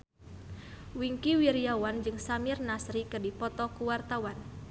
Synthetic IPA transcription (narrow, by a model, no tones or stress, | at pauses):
wiŋkiwiɾiawand͡ʒɨŋsamirnasɾikɨrdipɔt̪ɔkuwart̪awan